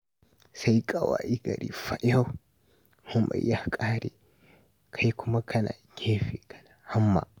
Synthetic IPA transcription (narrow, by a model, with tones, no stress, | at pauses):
sa˦jkʼɐ˨waː˨ʔi˦ɡɐ˨ɾḭː˨ɸa˦ʔa˦w | hʊ˦ma̰˨jjːa˦hkʼaː˦ɾḛː˨ | kʰa˦jkʷʰʊ˦ma˦kʰɐ˦na̰ː˨ɡʲʰeː˦ɸeː˨kɐ̥˦na˨ha˦mːa̰ː˨